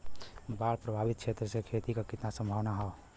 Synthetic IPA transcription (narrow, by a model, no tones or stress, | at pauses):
bapɾəbʱaːbɪt̪̚t͡ʃʰet̪ɾəsekʰet̪ikakɪt̪nasə̃mbʱəʋnaɦɔ